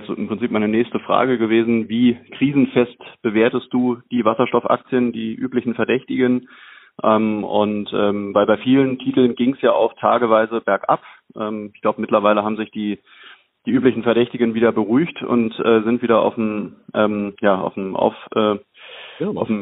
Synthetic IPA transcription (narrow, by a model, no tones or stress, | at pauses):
t͡sːɪ̰mpʁ̥ɪnt͡siːpmaɪnənɛːçstəfʁ̥a̰ːɡəɡəveːzn̩viːkʁ̥iːzn̩fɛstb̥əveːɐtəst̚d̥uːd̥iːvasɐʃtɔfʔa̰k̚t͡sjəndiːʔyːplɪçn̩fɛɐdɛçtɪɡən | ʔɛːmʊntʔɛːmvaɪlbaɪfiːləntʰiːtl̩nɡɪŋsjaːʔaʊxtʰaːɡəvaɪzəbɛɐkʔa̰pʔɛːmɪçɡ̥laʊbəmɪtlɐvaɪləɦaːbm̩zɪçd̥iː | d̥iːʔyːplɪçn̩fɛɐdɛçtɪɡənviːdɐbəʁyːçtʊ̰ntʔɛːzɪntv̥iːdɐʔa̰ʊfm̩ʔɛːmjaːʔa̰ʊfmʔa̰ʊfʔɛː | ʔaʊfm̩